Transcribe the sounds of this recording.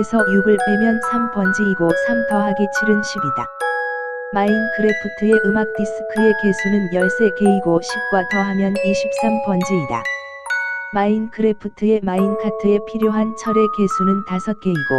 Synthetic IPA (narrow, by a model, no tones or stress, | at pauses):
esʰʌjubɯɭpemjʌnsʰampʌnd͡ʑiiɡosʰamtʰʌɦaɡet͡ɕʰiɾɯnɕʰibida̰ | mainkʰɯɾepʰɯtʰɯe̞ʔɯmak̚t͈is͈ʰɯ̥kʰɯe̞ke̞sʰunɯnjʌɭs͈e̞ke̞iɡoɕʰip̚k͈watʰʌɦamjʌniɕʰip̚s͈ampʌnd͡ʑiida̰ | mainkʰɯɾepʰɯtʰɯe̞mainkʰatʰɯe̞pʰiɾjoɦant͡ɕʰʌɾe̞ke̞sʰunɯntasʰʌt̚k͈e̞iɡ̥o̰